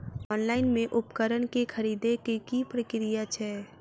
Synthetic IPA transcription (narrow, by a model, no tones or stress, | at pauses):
ɔːnlaːɪnmẽʔʊpkəɾənkekʰəɾiːd̪ekekipɾəkɪɾijat͡ʃʰɛ